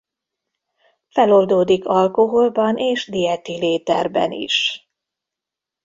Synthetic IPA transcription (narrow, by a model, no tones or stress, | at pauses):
fɛlo̞ld̪oːd̪ikɒlko̞ɦo̞lbɒnʔeːʒd̪ijɛt̪ileːt̪ɛrbɛ̰nḭʃ